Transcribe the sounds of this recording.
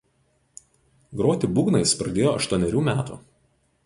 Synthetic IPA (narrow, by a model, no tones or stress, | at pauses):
ɡɾoːt̪ʲɪbuːɡnɐɪspɾɐd̪ʲeːjoːɐ̰ʃt̪uɔnʲɛɾʲuːmʲæːt̪ṵː